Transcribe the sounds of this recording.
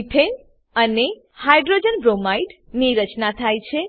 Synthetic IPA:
pʰen | əne | hajɖɾod͡ʒənbɾomajʈniɾət͡ʃnat̪ʰajt͡ʃʰe

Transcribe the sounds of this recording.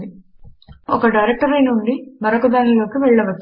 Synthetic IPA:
i | ɔkɐɖɐjɾek̚ʈɐɾɐjnuɳɖimɐɾɐkud̪aːniloːkiʋɛɭːɐʋɐ

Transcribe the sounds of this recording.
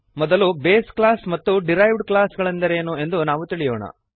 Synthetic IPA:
mɔd̪ɐlubeːsklaːsmɐt̪ːuɖiɾɐjʋɖklaːsɡɐɭɐnd̪ɐɾeːnue̞nd̪unaːʋut̪iɭijo̰ːɳɐ̰

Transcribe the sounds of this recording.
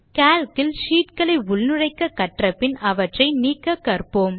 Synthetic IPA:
kaːlkɪlʃiːʈkɐɭɐɪʊɭnɯrɐɪkːɐkːɐʈrɐpːɪnɐʋɐʈrɐɪniːkːɐkːɐrpoːm

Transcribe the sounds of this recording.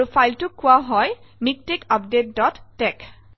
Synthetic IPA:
upʰajltʊkʰːʊwaɦɔj | mik̚tekap̚det̚dɔtːɛk

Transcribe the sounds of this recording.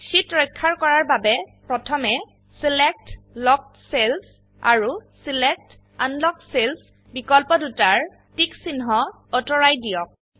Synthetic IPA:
sitɹɔjkʰːaɹkɔɹaɹbabɛpɹɔtʰɔmɛ | silɛk̚tlɔk̚ | sels | a̰ɹusilɛk̚t | a̰nlɔksels | bikɔlpɔdutaɹ | tiksinɦɔ | ɔtɔɹajdijɔk̚

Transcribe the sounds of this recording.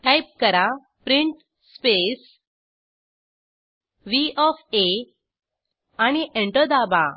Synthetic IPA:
ʈajp̚kəɾa | pɾiɳʈ | spes | ʋiɔfe | añiʔẽɳʈəd̪aba̰

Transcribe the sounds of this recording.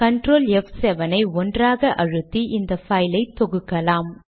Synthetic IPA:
kɐɳʈɾoːlɛfsɛʋɐnɐɪɔndraːɣɐʔɐɻɯt̪ːiʔɪnd̪ɐfɐjlɐɪt̪ːɔɣɯkːɐlaːm

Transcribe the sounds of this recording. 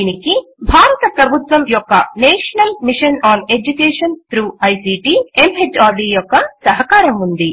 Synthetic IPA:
inikibʱaːɾɐt̪ɐpɾɐbʱut̪ʋɐmjɔkːɐ̰neːʂɐnɐlmiʂɐnaːne̞d͡ʒukeːʂɐnt̪ɾuːɐjsiːʈiːemɦed͡ʒaːɖiːjɔkːɐsɐɦɐkaːɾɐmund̪i

